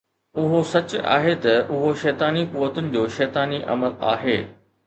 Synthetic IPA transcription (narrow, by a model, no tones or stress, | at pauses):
ʊɦosɐt͡ɕʊa̰ːɦet̪ɐʔʊɦoʃɛːt̪aːnikuːʋət̪ʊnɪ̆d͡ʑoːʃɛːt̪aːniʔɐ̰məla̰ːɦeː